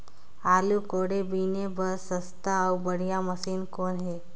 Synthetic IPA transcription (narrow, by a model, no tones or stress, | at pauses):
aːlukoɽebinebəsəst̪aːwbəɽ̤ijaməsiːnkoːnɦe